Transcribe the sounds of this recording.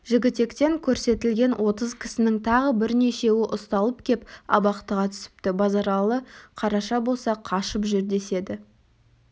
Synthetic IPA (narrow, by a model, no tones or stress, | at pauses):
ʒɪɡʲɪt̪e̞kt̪e̞ŋkʲʰɵɾse̞t̪ɪlɡʲe̞nwʔo̞t̪əzkʲʰɪ̥sɪnɪŋt̪ʰɑʁəbɪɾne̞ʃe̞wɪʔʊst̪ɑlˠəp̚kʲʰe̞pɑ̰bɑqt̪əʁɑt̪ʰʏ̥sɪ̥p̚t̪ɪbɑzɑɾɑlˠəqʰɑɾɑʃɑbo̞lˠsɑqʰɑʃəpʒʏɾd̪e̞se̞d̪ɪ